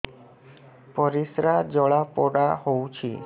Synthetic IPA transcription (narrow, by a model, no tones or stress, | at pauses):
pɔɾisɾad͡ʒɔɭapɔɽahowt͡ʃʰḭ